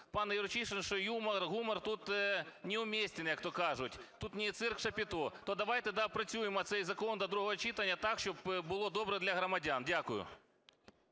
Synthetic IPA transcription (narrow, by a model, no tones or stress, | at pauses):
pɑnjʊɾt͡ʃiʂɛnʃɔjumɐrɣumɐrt̪ut̪nʲɪʊmʲesʲtʲɪnjɐkt̪okɑʐʊtʲt̪ut̪nʲɪt̪sɪrkʂɐpʲɪt̪ot̪od̪ɐʋajt̪ɛd̪apɾɐt͡sʲujɪmɐt̪sɛjzɐkond̪ɐd̪ɾuɦɔɦɐt͡ʃit̪ɐnʲːɐt̪akʃt͡ʃɔbbʊlˠod̪obɾɛd̪lʲɐɦɾɐmɐdʲandʲakʊjʊ̰